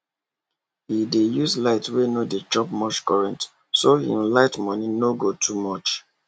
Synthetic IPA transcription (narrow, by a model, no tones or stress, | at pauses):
hidejuslaɪtwenodet͡ʃɔp̚mɔt͡ʃkɔɹɛ̃nt | sohḭ̃mlaɪtmɔnĩnoɡotʰumɔt͡ʃ